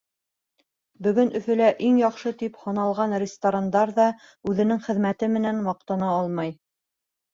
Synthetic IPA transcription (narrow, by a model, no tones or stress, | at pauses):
bɵ̆ɡɵnɵ̆fɘ̆læʔiŋjɑχʃɤt̪iphŏnɑlˠʁɑnrʲɪst̪oɾand̪ɑɾðɑ | ʉðɘ̆nɘŋχɘ̆ðmæt̪ɘmɘ̆nænwɑq̚t̪ɑnɑɑlˠmɑj